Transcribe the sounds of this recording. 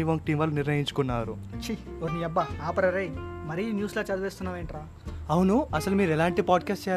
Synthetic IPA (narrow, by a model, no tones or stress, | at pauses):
iʋoŋk̚ʈiːmʋɐlːuniɾnɐjiɲt͡ʃu̥kunːaːɾu | t͡ʃʰi | oniɐbːɐaːpɐɾɐɾejmɐɾinjuːslaːt͡ʃɐd̪uʋeːst̪unːaːʋeːɳʈɾaː | ɐwnuɐsɐlumiːɾɛlaːɳʈipaːɖkaːsʈt͡ʃɛː